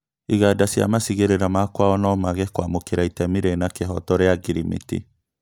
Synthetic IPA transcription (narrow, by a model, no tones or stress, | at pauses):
iɣadasja̰masiɣeɾeɾamakwaɔnɔmaɣɛkwamokeɾaitɛmiɾenakeɦɔtɔɾeaɡiɾimḭtḭ